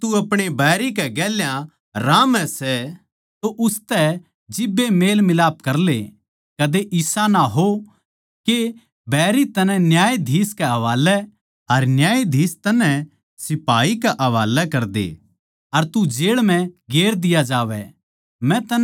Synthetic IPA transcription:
t̪uɐpɽ̃ebɛːɾikɛɡɛːljã | ɾãːmɛ̃sɛ | t̪oʔʊst̪ɛ | d͡ʒɪbːemeːlmɪlaːp̚kɐɾle | kɐd̪eʔɪsanaɦo | ke | bʱɛːɾit̪ɐnɛ̃njaːjd̪ʱiːskɛɦɐʋaːlɛ | ɐɾnjaːid̪ʱiːst̪ɐnɛ̃ | sɪpaːikɛʔɐʋaːlɛkɐɾd̪ḛː | ɐɾt̪ud͡ʒeːɭmɛ̃ɡeːɾd̪ɪjad͡ʒaːʋɛ̰ | mɛ̃t̪ɐ

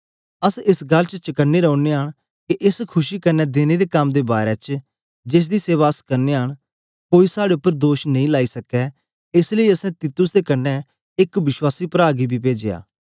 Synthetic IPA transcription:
əsɪsɡəlt͡ʃət͡ʃəkənːeːɾɛʊneːɦəɽ̃ | kiʔɪskʰʊʃiːkənɛːd̪eːned̪eːkɐmd̪eːbaːɾɛːt͡ʃ | d͡ʒɪs̬d̪iːseːβaːəskəɾneːɦəɽ̃ | koːisaːɽeʊpːəɾd̪oːʃnə̃ĩːlaːiːsəkɛː | ɪsləiːəsɛ̃ːt̪iːt̪ʊsd̪eːkənːɛ | ɪkʋɪʃwaːsiːpəɾaːɡibʱiːpeːd͡ʒeja̰ː

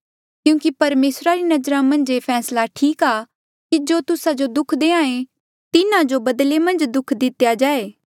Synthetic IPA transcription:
kjũːkipɐɾmeːsɾaɾinɐd͡ʒɾãmɐ̃nd͡ʒepʰɛːslaʈʰiːkaː | kid͡ʒoːt̪ʊsad͡ʒod̪ʊkʰd̪eãːẽ | t̪ɪnãd͡ʒobɐd̪lemɐ̃nd͡ʒd̪ʊkʰd̪ɪt̪jad͡ʒaːeː

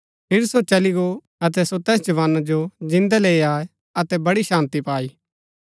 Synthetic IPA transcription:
pʰɪɾsot͡ʃɐliɡo | ɐt̪̬ɛsot̪ɛːsd͡ʒɐʋaːnad͡ʒod͡ʒɪ̃nd̪aleːiaːe | ɐt̪ɛbɐɽiʃãːnt̪ipaːiː

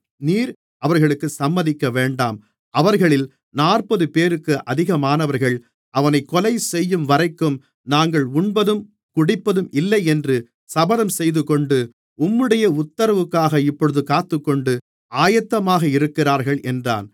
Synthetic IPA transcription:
niːɾ | ɐʋɐɾɣɐɭɯkːɯsɐmːɐðɪkːɐʋeːɳɖa̰ːm | ʔɐʋɐɾɣɐɭɪl | naːrpɐðɯpeːɾɯkːɯʔɐðɪɣɐmaːnɐʋɐɾɣɐɭ | ʔɐʋɐnɐɪkːɔlɐɪsɛjːɯmʋɐɾɐɪkːɯm | naːŋɡɐɭʊɳbɐðɯm | kʊɽɪpːɐðɯmɪlːɐɪɛndrɯ | sɐbɐðɐmsɛjðɯkɔɳɖɯ | ʊmːɯɽɐjɐʊt̪ːɐɾɐʋɯkːaːɣɐɪpːɔɭɯðɯkaːt̪ːɯkːɔɳɖɯ | aːjɐt̪ːɐmaːɣɐɪɾɯkːɪraːɾɣɐɭʔɛndra̰ːn

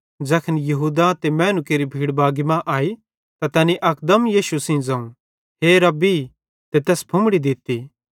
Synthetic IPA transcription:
d͡ʒɐkʰənjɐɦuːd̪at̪emɛ̃ːnukeːɾibʱiːɽbaːɡɪmãʔaːi | t̪at̪ɛːniʔɐkd̪əmjiːʃusĩd͡zãːũ | ɦeɾɐbi | t̪et̪ɛːsbʱʊ̃mɽid̪ɪt̪ːi

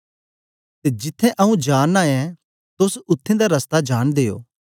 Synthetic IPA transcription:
t̪ed͡ʒɪt̪ʰːɛ̃ʔɐũd͡ʒaːnːaːɛ̃ | t̪ʊsʊt̪ʰːẽd̪aɾɐst̪ad͡ʒaːnd̪eːo̰ː

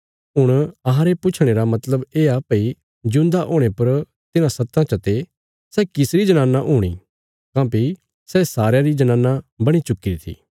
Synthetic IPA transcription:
ɦʊɽ̃ɐɦãɾepʊt͡ʃʰɽ̃eːɾamɐt̪ləbeːapɐi | d͡ʒʊ̃nd̪aʔoːɽ̃epɐɾ | t̪ɪnãsɐt̪ːãt͡ʃɐt̪e | sɛːkɪsɾid͡ʒɐnaːnːaʔɦuːɽ̃ḭ | kãːpi | sɛːsaːɾjaɾid͡ʒɐnãːnːabɐɽ̃it͡ʃʊkːiɾit̪ʰḭː

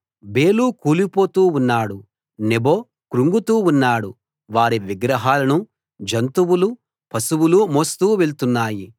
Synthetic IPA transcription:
beːluːkuːlipo̞ːt̪uːunːaːɽu | nebo̞ː | kɾuŋɡut̪uːunːaːɽu | ʋaːɾiʋiɡɾɐɦaːlɐnu | d͡ʒɐnt̪uwulu | pʰɐsuwulumoːst̪uːʋelt̪unːaːji

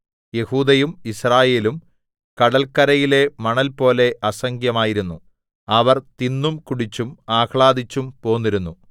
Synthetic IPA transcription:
je̞huːd̪ɐjumisraːje̞ːlum | kɐɽɐlkɐɾɐjile̞mɐɳɐlpo̞ːle̞ʔɐsɐŋɡjɐmaːjiɾunːu | ɐʋɐrt̪inːumkuɽit͡ɕːumaːkɭaːd̪it͡ɕːumpo̞ːnːiɾunːu

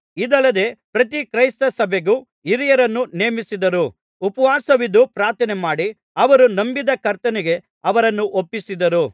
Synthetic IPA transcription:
id̪ɐlːɐd̪e̞ːpɾɐt̪̬ikɾɐjst̪ɐsɐbʱeɡuː | iɾijɐɾɐnːuneːmisid̪ɐɾu | upɐʋaːsɐʋid̪upɾaːɾt̪ʰɐnemaːɽi | ɐʋɐɾunɐmbid̪ɐkɐɾt̪ɐnɛɡe̞ | ɐʋɐɾɐnːuʔopːisid̪ɐɾu

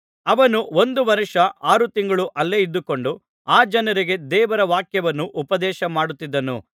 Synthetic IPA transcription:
ɐʋɐnuo̞nd̪uʋɐɾiʂɐʔaːɾut̪iŋɡɐɭuʔɐlːeid̪ːuko̞ɳɖu | aːd͡ʒɐnɐɾiɡe̞d̪ɛːʋɐɾɐʋaːkjɐʋɐnːuʔupɐd̪ɛːʃɐmaːɽut̪ːid̪ːɐnṵ

